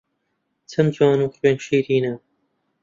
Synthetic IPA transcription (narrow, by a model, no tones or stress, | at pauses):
t͡sʰɐmd͡ʒɑːnuːχweːnʃiːɾiːnɐ